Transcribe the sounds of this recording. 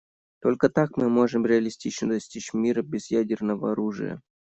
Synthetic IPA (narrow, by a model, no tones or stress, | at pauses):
t̪olʲkət̪akmɨmo̞ʐɨmɾʲɪɐlʲɪsʲtʲit͡ɕnəd̪ɐsʲtʲit͡ɕmʲiɾəbʲɪzjadʲɪrnəvəɐɾuʐɨ̰jə̰